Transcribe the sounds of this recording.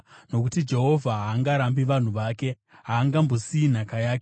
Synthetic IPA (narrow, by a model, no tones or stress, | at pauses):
no̞kutid͡ʒe̞ɦo̞vʱaɦaːŋɡaɾambiʋan̤uʋaːke̞ | ɦaːŋɡambo̞siin̤akajaːke